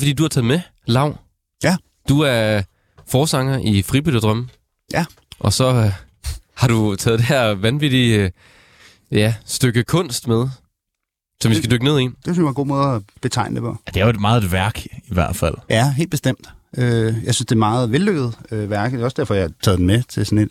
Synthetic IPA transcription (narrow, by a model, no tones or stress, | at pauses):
fɒ̽d̥ḭːd̥uhɑ̈t͡sʰɛːðˠme | lɑ̈ʊ̰ | jæ | d̥uæɐ | fɒːsɑ̈ŋɐʔifʁib̥yðˠɐd̥ʁɶmə | jæ | ʔɒ̽sɒ̽ | hɑ̈ɾ̥ut͡sʰɛːðˠd̥e̝ɦeɐ̰ʋænʋid̥i | jæsd̥øɡ̥əkʰɔ̽n̰sd̥með̞ˠ | sɒ̽mʋisɡ̥æd̥øɡ̥əne̝ðˠie̝̰nd̥e̝synsjʋɑ̈ɡo̝̰ːmɔ̽ːð̩ˠæb̥e̝t͡sʰɑ̈ɪ̰nəd̥epʰɒjæd̥e̝æɐoed̥mɑ̈ːð̩ˠed̥ʋæɐɡ̥iʋæɐ̰d̥fæl̰jæɦe̝̰ːl̥db̥esd̥em̰d̥øjɑ̈ɪsynsd̥e̝mɑ̈ːð̩ˠʋelːøɡ̥əð̞̩ˠøʋæɐɡ̥ð̩̥ˠeɒ̽sd̥æɐ̰fɒjat͡sʰɛ̰ːðˠd̥enmet͡sʰe̝sɔne̝d̥